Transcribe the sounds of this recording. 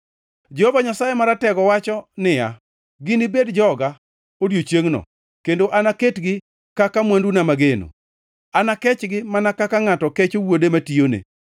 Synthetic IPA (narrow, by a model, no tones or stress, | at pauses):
d͡ʒehovaɲasajemaɾatɛɡɔwat͡ʃɔnɪja̰ | ɡɪnɪbedd͡ʒɔɡa | odjot͡ʃeŋnɔ̰ | kendoʔanaketɡɪ | kakamwandunamaɡeno̰ | anakɛt͡ʃɡɪmanakakaŋatɔket͡ʃowodematijonḛ